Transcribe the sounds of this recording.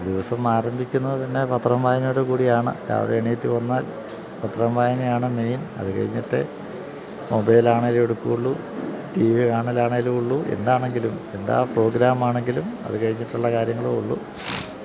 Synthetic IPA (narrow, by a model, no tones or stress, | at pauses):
d̪iʋɐsɐmaːɾɐmbʱikʲːunːɐðɨp̪ɐnːe̞pɐt̪ːrɐmbaːjnoːɽekuːɽijaːɳɨ̰ka̰ːʋɐ̰ɽeːɳeːtːɨʋɐnːaːl | pɐt̪ːrɐmʋaːjnejaːɳɨme̞jnɐ̰ðɨkɐ̰ɻiɲːiʈːḛ | mobɐjlaːɳɐileɽukːuuɭːu | ʈiːʋikaːɳɐlaːɳɐiluɭːuʔe̞̰nd̪aːɳe̞ŋɡilume̞nd̪a̰ːpro̞ːɡɾaːmaːɳe̞ŋɡilumɐ̰ðukɐɻiɲːiʈːuɭːɐkaːɾjɐŋːɐɭouɭːṵ